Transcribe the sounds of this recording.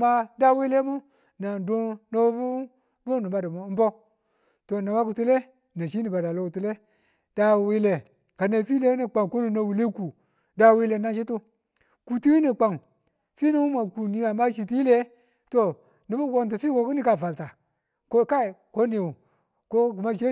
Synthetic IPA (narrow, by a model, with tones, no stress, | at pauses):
ma˦da˦wi˦le˦mu˦ | na˨do˦no˦bu˦ | bu˦nu˨ba˦di˨mo˨˦m̩˦bo˦ | to˨na˨wa˦ku˨tu˦le˦ | na˨ʃi˦ni˨ba˨da˨lo˨˦ku˨tu˦le˦ | d̥a˦wi˦le˨ | ka˨ne˨fi˦le˦ni˨k͡pa˨ŋ˨ko˦ni˨na˨wi˨le˦ku˨ | da˨wi˦le˨na˦ʃ̬i˦tu˦ | ku˨ti˦i˦ni˨k͡pa˨ŋ | fi˦ni˦wu˦ma˨ku˨ni˨a˨ma˦ʃi˨ti˦i˦le˦ | to˨ | ni˨bu˦ɡo˦nt̬i˨fi˦ko˨˦ku˦ni˦ka˨va˨lta˨ | ko˦ka˦˨ko˦ni˨wu˨ | ko˦ɡu˨ma˦ʃe˦